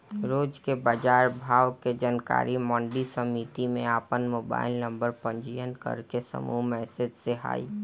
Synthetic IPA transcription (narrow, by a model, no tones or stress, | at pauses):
ɾoːd͡ʒkebaːd͡ʒaːɾbʱaːwked͡ʒanka̰ːɾimɔ̃ːɳɖisəmit̪imẽaːpənmoːba̰ːɪlnə̃mbəɾpə̃ɲd͡ʒijənkə̰ɾkesə̰mumɛɦsɪd͡ʒseɦa̰ːḭ